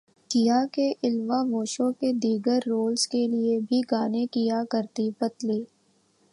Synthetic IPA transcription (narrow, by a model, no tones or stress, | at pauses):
kɪjakeʔɪlʋaʋoːʃõked̪iːɡəɾːoːlzkeliebʱiɡaːnekijakɐɾt̪ipɐt̪liː